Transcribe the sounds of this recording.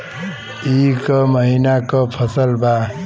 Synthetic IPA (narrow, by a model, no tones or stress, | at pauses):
ikʌmʌɦinakʌpʰʌsəlba